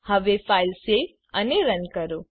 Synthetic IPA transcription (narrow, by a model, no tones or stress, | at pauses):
həʋefaːilse | əneɾənkəɾo